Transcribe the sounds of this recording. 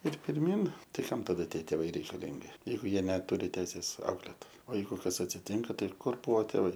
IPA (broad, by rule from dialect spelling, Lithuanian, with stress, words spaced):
ɪr pʲɪrʲˈmʲiːn ˈtɐɪ ˈkɐm tɐˈdɐ ˈtʲiɛ tʲeːˈʋɐɪ rʲɛɪkɐˈlʲɪŋʲɡʲɪ ˈjɛɪɡʊ ˈjiɛ nʲɛˈtʊrʲɪ ˈtʲɛɪsʲeːs ˈɐʊklʲeːt oː ˈjɛɪɡʊ ˈkɐs ɐtʲsʲɪˈtʲɪŋkɐ ˈtɐɪ ˈkʊr ˈbuɔ tʲeːˈʋɐɪ